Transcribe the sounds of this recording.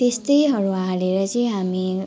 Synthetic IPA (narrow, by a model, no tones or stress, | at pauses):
t̪est̪ʌjɦʌɾualeɾʌt͡sʌj̃ɦami